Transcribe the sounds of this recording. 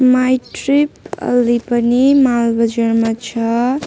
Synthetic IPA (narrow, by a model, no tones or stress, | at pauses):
majʈɾipʌ̰lːipʌnimalbʌd͡ʒəɾmat͡ʃʰʌ